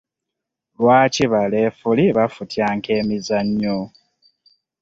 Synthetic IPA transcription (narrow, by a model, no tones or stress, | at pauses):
lwaːciβale̞ːfuliβafutʰjaːŋkʰe̞ːmizaɲːo